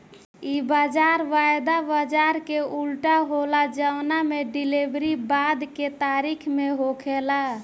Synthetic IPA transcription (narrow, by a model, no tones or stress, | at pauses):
ibad͡ʒaɾʋajd̪abad͡ʒaɾkeulʈaɦolad͡ʒəwnameɖilebɾibad̪ket̪aɾikʰmeɦokʰela